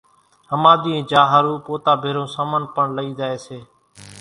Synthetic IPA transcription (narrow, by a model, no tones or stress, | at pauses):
ɦəmaːd̪iːẽːd͡ʒaːɦaːɾuːpoːt̪aːbʱeːɾõːsaːmənpəɳləiːd̪aːeːseː